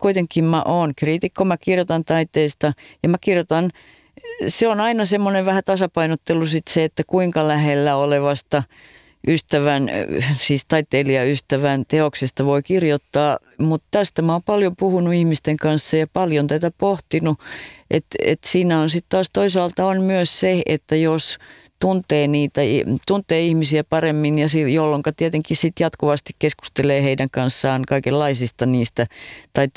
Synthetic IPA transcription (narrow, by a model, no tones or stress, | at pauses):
kuit̪eŋkːˑimmæ̰ʔoːnkriːt̪ikːomækirjot̪ɑnt̪ɑit̪eist̪ɑjɑmækirjot̪ɑn | seonɑinɑsemːoneʋʋæhæt̪ɑsɑpɑinot̪ːelusit̪seet̪ːækuiŋkɑlæhelːæoleʋɑst̪ɑ | ʔyst̪æʋænsiːst̪ɑit̪eːliɑyst̪æʋænt̪eoksest̪ɑʋoikirjot̪ːɑː | mut̪t̪æst̪æmɑːmpɑljopuhunuihmist̪eŋkɑnsːɑjɑpɑljont̪æt̪æpoht̪inuʔḛt̪ḛt̪siːnæonsit̪t̪ɑːst̪oisɑːlt̪ɑonmyøsseḛt̪ːæjos | t̪unt̪eːniːt̪æt̪unt̪eːihmisiæpɑremːinjɑsijolːoŋkɑt̪iet̪eŋkissit̪jɑt̪kuʋɑst̪i̥kkesku̥st̪eleːheidæŋkɑnsːɑːnkɑikelːɑisist̪ɑniːst̪æt̪ɑit̪